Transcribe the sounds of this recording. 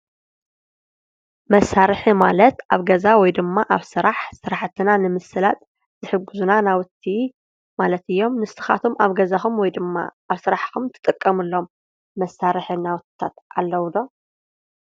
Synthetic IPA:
mɐsːaɾɨħimalɐt̪aβɡɐzawɔjd̪ɨmːaʔaβsɨɾaħsɨɾaħt̪ʰːɨnanɨmɨsɨlat̪ʼ | z̥ɨħɨɡːuzunanawɨt̪ʰːi | malɐt̪ɨjːo̞mnɨst̪ʰɨxa̰t̪ʰomaβɡɐzaxumwɔjd̪ɨma̰ | aβsɨɾaħkumt̪ʰɨ̥t̪ʼɨkʼːɐmɨlːo̞mː | ɐsːaɾɨħinawʊt̪̚ʰt̪ʰa̰t̪ʔa̰lːɐwd̪o̞

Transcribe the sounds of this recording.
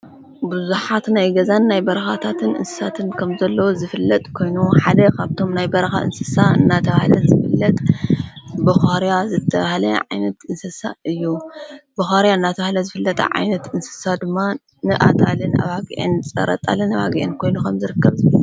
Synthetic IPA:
buzuħat̪najɡɐzanːajbɐɾɐxat̪ʰat̪ʰɨnʔɨ̰nsɨ̥sat̪ʰɨnkʰɐmzɐlːɐwozɨfɨlːɐt̪ʼkʰo̞jnuħad̪ɐkʰaβt̪ʰo̞mnajbɐɾɐxa̰ʔɨ̰nsɨsaɨ̰nːat̪ʰɐβahlɐzɨfɨlːɐt̪ʼ | bɐxaɾijazɨt̪ʰːɐβahlɐʕa̰jnɐt̪ɨnsɨsa̰ɨjːubɐxaɾjaɨnːat̪ʰɐβahlɐzɨfɨlːɐt̪ʼɐ̰ʕa̰jnɐt̪ɨnsɨ̥sad̪ɨmːa | nɨʔa̰t̪ʼalɨnʔa̰βaɡḭʔɨ̰nt͡sʼɐ̰ɾɐ̰t̪ʼa̰lɨnɐβaɡiʔɨnkʰo̞jnukʰɐmzɨɾɨkːɐβzɨβɐlu

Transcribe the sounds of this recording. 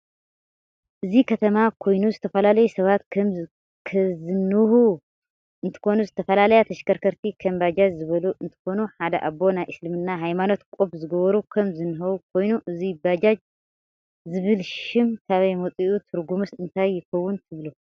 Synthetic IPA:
ʔɨzikʰɐt̪ʰɐmakʰo̞jnuzɨt̪ʰɐfɐlalɐjusɐβat̪ | kʰzɨnːɨhu | ʔɨnt̪ʰɨ̥xo̞nuzɨt̪ʰɐfɐlalɐjat̪ʰɐʃkɐɾkʰɐɾt̪ʰikʰɐmbad͡ʒad͡ʒzɨβɐluʔɨnt̪ʰɨ̥xo̞nuħad̪ɐ̰ʔabo̞najʔɨslɨmɨnːaɦajmano̞t̪kʼobzɨɡɐβɐɾukʰɐmzɨnɨɦɐwukʰo̞jnuʔɨzibad͡ʒad͡ʒ | zɨβɨlʃɪmkʰaβɐjmɐt͡sʼiʔut̪ʰɨɾɡumɨsɨnt̪ʰajːɪxɐwːʊnt̪ʰɨβlu

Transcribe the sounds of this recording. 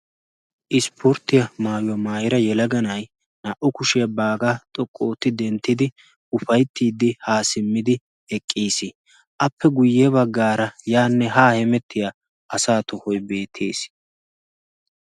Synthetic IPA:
ʔɪspʊɾt̪ːɪjɐmaːjɔmaːjɪɾɐjɛlɐɡɐnɐj | nɐʔɔkʊʃɪjɐbaːɡat̪ʼɔkʼːo̞ːt̪ːɪd̪ɛnt̪ːɪd̪ɪ | ʊfɐjt̪ːiːd̪ːɪhaːsɪmːɪd̪ɪ | ɛkʼːiːsɪ | ʔɐpːɛɡʊjːɛbɐɡːaːɾɐjaːnːɛɦaːhɛmɛt̪ːɪja | ʔɐsaːt̪ɔhɔjbe̞ːt̪ʰeːs

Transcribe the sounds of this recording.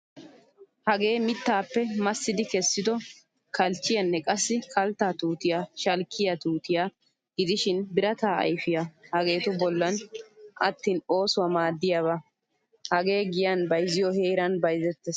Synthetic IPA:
hɐɡe̞ːmɪt̪ːaːpːɛmɐsːɪd̪ɪkɛsːɪd̪ɔ | kʰɐlt͡ʃːɪjɐnːɛkʼɐsːɪkʰɐlt̪ːaːt̪uːt̪ɪjaːʃɐlkʰːɪjɐt̪uːt̪ɪjaː | ɡ̥ɪd̪ɪʃɪnbɪɾɐt̪aːɐ̰jfɪjahɐɡe̞ːt̪ʊbɔlːɐnʔɐ̰t̪ːiːno̞ːsʊwɐmaːd̪ːɪjaβɐ | hɐɡe̞ːɡɪjɐnbɐjzɪjɔhe̞ːɾɐnbɐjzɛt̪ːɛs

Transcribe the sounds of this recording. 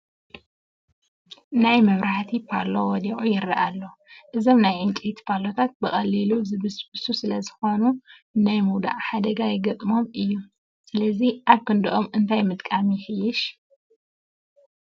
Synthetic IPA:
najmɐβɾaħt̪ʰipʰalowɔd̪iʔʼujɪɾɐʔalːoʔɨzo̞mnajʔɨnt͡ʃʼit̪pʰalo̞t̪ʰat̪̚bɨxʼɐlːiluzɨβɨsbɨsusɨlɐzɨxo̞nu | najmuwd̪a̰ʔħad̪ɐɡajɪɡɐt̪ʼmo̞mɨjːu | sɨlɐziʔaβkɨnd̪ɨʔomɨnt̪ʰajmɨt̪ʼkʼamijɪxɨjːɪʃ

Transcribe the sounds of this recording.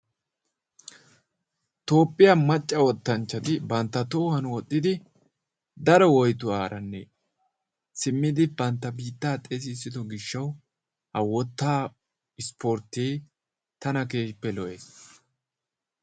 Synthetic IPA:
t̪o̞ːpʼːɪjamɐt͡ʃʼːɐwɔt̪ːɐnt͡ʃːɐt̪ɪbɐnt̪ːɐt̪ɔːhɐnwɔt̪ʼːɪd̪ɪ | d̪ɐɾɔwɔjt̪ʊaːɾɐnːɛ̰ | sɪmːɪd̪ɪbɐnt̪ːɐbiːt̪ːaːt̪ʼes̬ɪːsːɪd̪ɔɡɪʃːɐw | hɐwɔt̪ːaː | ɪspoɾt̪ːeː | t̪ɐnɐke̞ːpːɛlɔʔeːs

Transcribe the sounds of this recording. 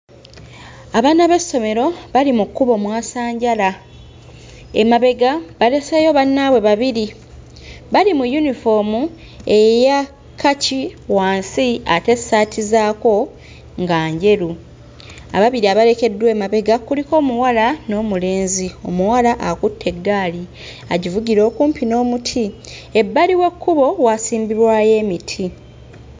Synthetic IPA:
aβaːnaβe̞sːo̞me̞ɾo̞βalimukːuβo̞mwaːsaːɲɟala | emaβe̞ɡaβale̞seːjo̞βanːaβwe̞βaβiɾi | βalimujunifo̞ːmu | e̞ja | kʰːaciwaːnsiate̞saːtizaːko̞ | ŋɡaːɲɟe̞ɾu | a̰βaβiɾiaβale̞ke̞dwe̞ːmaβe̞ɡakuliko̞ːmuwalano̞ːmule̞ːnzio̞muwalaʔakutʰːe̞ɡːaːli | aɟivuɟiɾo̞ːkuːmpino̞ːmutʰie̞bːaliwe̞kːuβo̞waːsiːmbiɾwaːje̞ːmitʰi

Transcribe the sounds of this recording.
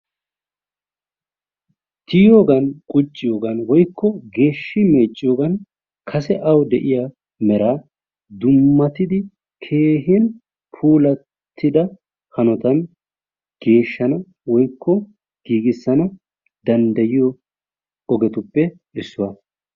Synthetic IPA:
t̪ɪjo̞ːɡɐnkʼʊt͡ʃʼːɪjo̞ːɡɐnwɔjkʰːɔɡe̞ːʃːɪme̞ːt͡ʃʼːɪjoːɡɐn | kʰɐsɛʔɐwd̪ɛʔɪja | mɛɾaː | d̪ʊmːɐt̪ɪd̪ɪ | kʰe̞ːɦɪn | pʰuːlɐ | t̪ʰːɪd̪ɐ | hɐnɔt̪ɐn | ɡ̥e̞ːʃːɐnɐ | wɔjkːɔ | ɡ̥iːɡɪsːɐnɐ | d̪ɐnd̪ɐjɪjɔ | ɔɡɛt̪ʊpːɛ | ʔɪsːʊwɐ

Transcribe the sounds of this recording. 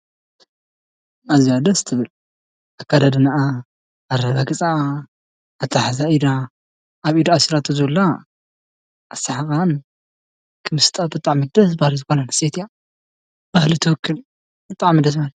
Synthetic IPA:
aziad̪ɐst̪ʰɨβɨl | akːad̪ad̪ɨnaʔaː | ɾɐβaɡʼɨt͡sʼaː | t̪ʰʼaħazaʔid̪a | aβid̪aasiɾat̪ʰozulːa | asaħakan | kʰɨmɨst̪ʼabɨt̪ʼaʕmɨd̪ɐsbahlizɨxonanaset̪ja | b̥ahlit̪ʰɨwɔkʰːɨl | bɨt̪ʼaʕmɨd̪ɐs̬mal

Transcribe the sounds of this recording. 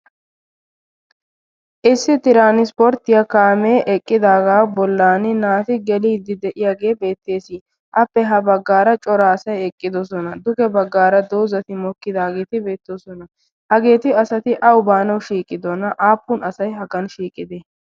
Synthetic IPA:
ʔɪsːɪt̪ɪɾaːnɪspɔɾt̪ɪjakaːmeːʔɛkʼːɪd̪aːɡaːbɔlːaːnɪnaːt̪ɪɡɛliːd̪ɪd̪ɛʔɪjaːɡe̞ːbe̞ːt̪ːe̞ːsiː | ʔɐpːɛɦɐbɐɡːaːɾɐt͡ʃʼɔɾaːsɐjɛkʼːɪd̪ɔsɔnɐd̪ʊɡɛbɐɡːaːɾɐd̪oːzɐt̪ɪmɔkːɪd̪aːɡe̞ːt̪ɪbe̞ːt̪ːɔsɔnɐ | hɐɡe̞ːt̪ɪɐsɐt̪ɪʔɐwʊbaːnɐwʃiːkʼːɪd̪ɔnɐʔaːpːʊnɐsɐjɦɐɡɐnʃiːkʼːɪd̪e

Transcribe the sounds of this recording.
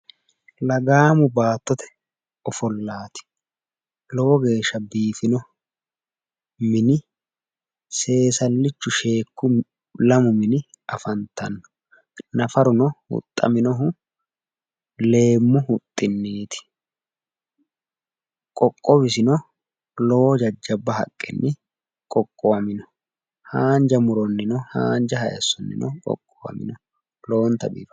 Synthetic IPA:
lɐɡaːmʊbaːt̪ːɔt̪ɛ̥ | ɔfɔlːaːt̪ɪ̥ | lɔwɔɡe̞ːʃːɐbiːfɪnɔ | mɪnɪ | se̞ːsɐlːɪt͡ʃːʊʃe̞ːkːʊ | lɐmʊmɪnɪ | ɐfɐnt̪ɐnːɔ̥ | nɐfɐɾʊnɔhʊ̰t̪ʼːɐ̰mɪnɔɦʊ | le̞ːmːʊhʊt̪ʼːɪnːiːt̪ɪ̥ | kʼɔkʼːɔbɪsɪnɔ | loːd͡ʒɐd͡ʒːɐbːɐɦɐkʼːɛ̰nːɪ | kʼɔkʼːoɐmɪnɔ̥ | haːnd͡ʒɐmʊɾɔnːɪnɔha̰ːnd͡ʒɐhɐjɐ̰sːɔnːɪ̰nɔkʼɔ̰kʼːowɐ̰mɪ̰nɔ | lo̞ːnt̪ɐbḭbɐ

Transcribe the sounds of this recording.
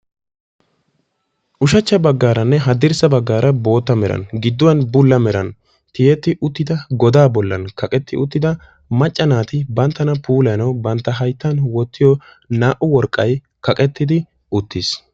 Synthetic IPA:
ʔʊʃɐt͡ʃːɐbɐɡːaːɾɐnːɛɦɐd̪ɪɾsɐbɐɡːaːɾɐbo̞ːt̪ːɐmɛɾɐ̰nɡɪd̪ːʊwɐnbʊlːɐmɛɾɐn | t̪ɪjɛt̪ːɪʔʊt̪ːɪd̪ɐɡɔd̪aːbɔlːɐ̰nkɐkʼɛt̪ːɪʊt̪ːɪd̪ɐ | mɐt͡ʃʼːɐnaːt̪ɪbɐnt̪ːɐnɐpuːlɐjnɐwbɐnt̪ːɐɦɐjt̪ːɐnwɔt̪ːɪjɔ | naːʔʊwɔɾkʼːɐj | kɐkʼɛt̪ːɪd̪ɪ | ʊt̪ːɪs

